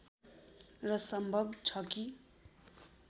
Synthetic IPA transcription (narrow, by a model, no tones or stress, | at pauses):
rʌsʌmbʱʌbt͡sʰʌki